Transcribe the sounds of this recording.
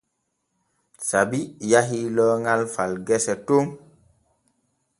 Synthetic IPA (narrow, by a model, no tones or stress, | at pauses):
sabijaɦilɔːŋalfalɡɛsɛtom